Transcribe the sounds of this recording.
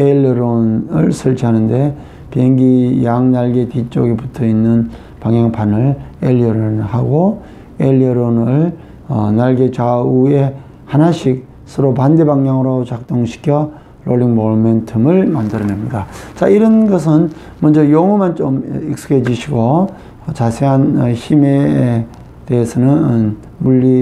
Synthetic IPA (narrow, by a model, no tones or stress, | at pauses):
elːɾonɯɭsʰɯɭt͡ɕʰiɦanɯnde̞ | peŋɡijaŋnaɭɡe̞tit͡ɕ͈ʌɡebutʰʌinːɯn | paŋjaŋpʰanɯɭelːʌɾnhaɡo | elːʌɾonɯɭ | ʌ̰naɭɡe̞t͡ɕaue̞ | hanaɕʰik̚ | sʰʌɾopande̞baŋɲaŋɯɾot͡ɕak̚t͈oŋɕʰi̥kʰjʌ | ɾoɭːiŋmoɭmentʰɯmɯɭmandɯɾʌnemɲidat͡ɕaiɾʌnɡʌs̬ʰɯn | mʌnd͡ʑʌjoŋɯmant͡ɕomik̚s͈ɯ̥kʰed͡ʑuɕʰiɡo | ʌt͡ɕasʰeanʌɕʰime | te̞ːsʰʌnɯnn | muɭːi